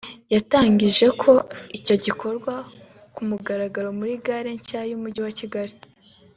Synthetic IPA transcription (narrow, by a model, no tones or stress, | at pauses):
jataːɲɟiʒe̞kʰo̞ico̞ɟikʰo̞ɾɡwa | kumuɡaɾaɡaɾo̞muɾiɡaɾeɲcajumuɟiwaciɡaɾi